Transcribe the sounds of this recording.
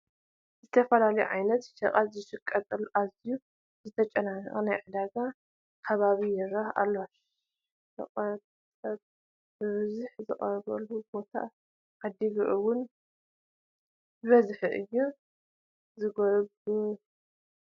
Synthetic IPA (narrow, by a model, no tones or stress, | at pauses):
zɨt̪ʰɐfɐlalɐjuʕajnɐt̪ʃɐqʼalzɨʃɨkʼːɐt̪ʼɐlʔaziju | zɨt̪ʰɐt͡ʃʼɐnaniɣɐnajʕɨd̪aɡa | kʰɐβaβijɛɾɐha̰lːoʃ | ɐ̰χʼɐɾt̪ | sʼɐβ̚ | bɨβɨzuħzɨχʼɐɾβɐlːubo̞t̪ʰa̰ | ʔad̪iβɨʕuwʊn | βɐzħɨʔɨjːu | zɨɡoɾbu